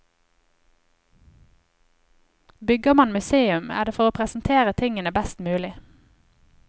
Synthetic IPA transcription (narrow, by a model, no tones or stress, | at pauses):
bʏɡəmɑnmʉseːʉmæ̰ːdeːfɔʁoːpʰʁɛsn̩t̪ʰeːʁət̪ʰɪŋənəbæst̪mʉːlɪ